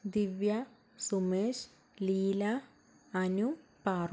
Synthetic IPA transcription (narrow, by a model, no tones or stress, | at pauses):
d̪iʋja | sumeːʃ | liːlaː | nupaːɾ